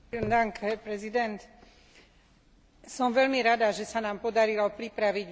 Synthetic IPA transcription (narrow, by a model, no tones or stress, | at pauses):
nd̪aŋkɛpɾɛzid̪ɛnt̪ | sɔmʋɛlmiɾad̪aʒɛsanaːmpɔd̪aɾilɔpɾipɾaʋiɟ